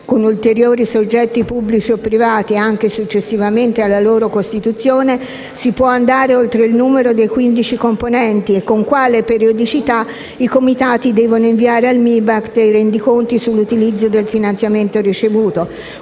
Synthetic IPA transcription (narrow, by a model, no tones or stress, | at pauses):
konult̪eɾjoːɾisod͡ʒːɛt̪ːipubːlit͡ʃiopːɾivaːt̪iaŋk̟esut͡ʃːesːivament̪ealːaloːɾokost̪it̪ut̪sːjoːne | sipwɔand̪aːɾeolt̪ɾeilnuːmeɾod̪ejkwind̪it͡ʃikomponɛnt̪iekːoŋkwaːlepeɾiod̪it͡ʃit̪a | ikomit̪aːt̪id̪ɛːvonoiɱviaːɾealmibakd̪ejrɛnd̪ikont̪isulːut̪ilid̪zːod̪elfinant̪sjament̪orit͡ʃevuːt̪o